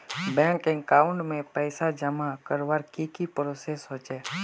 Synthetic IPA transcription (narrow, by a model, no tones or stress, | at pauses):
bɛ̃ŋkɛ̃ŋkaːʊɳɖmẽpəɪsad͡ʒəmakəɾʋaɾkikipɾosesɦoːt͡ʃeː